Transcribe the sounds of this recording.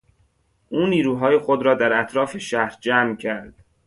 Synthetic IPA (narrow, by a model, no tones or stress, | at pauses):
ʔuːniːɾuːɦɒːje̞xod̪ɾɒːd̪æɾæt̪ʰɾɒːfe̞ʃæhɾd͡ʒæːmcʰæɾd̪̥